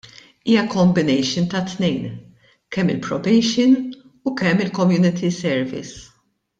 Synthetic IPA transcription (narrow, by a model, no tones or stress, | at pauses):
iːjɐkɔmbɪnɛjʃɪnt̪ɐt̪nɛjn | kɛmːɪ̰lpɾɔbɛjʃɪn | ukɛmːɪlkɔmjuːnɪt̪ʰisɛɾvɪ̰s